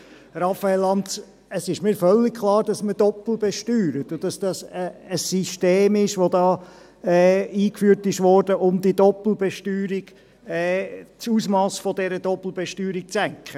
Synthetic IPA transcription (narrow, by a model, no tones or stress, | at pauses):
ɾɑfaɛlːɑnt | əsɪʃmiːɾfœlːɪkkʰlˠɑːɾd̥ɑsməd̥ɔpl̩bɛʃtyːɾət̪ʊd̥ɑsd̥ɑsəəsiʃteːmɪʃʋod̪ɑː | ɛiːkfyːɾtɪʃʋɔɾd̥əʔʊmd̪idɔpl̩ˠbɛʃtyːɾiɡ̥ | ɛt͡suːsmɑːsfɔd̪ɛɾədɔpl̩ˠbɛʃtyːɾik̚t͡sæŋkχə